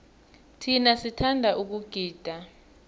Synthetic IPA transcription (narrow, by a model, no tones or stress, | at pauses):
tʰinasitʰandʱaʔuk̬uɡ̥ʱiːd̥ʱa